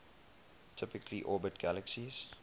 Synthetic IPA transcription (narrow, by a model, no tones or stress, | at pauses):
tʰɪpɪkliʔɔːbətɡ̥æləksiz